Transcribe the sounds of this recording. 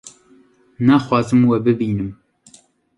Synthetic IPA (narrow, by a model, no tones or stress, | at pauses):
naːxwɑːzɨmwɛbɨbiːnɨm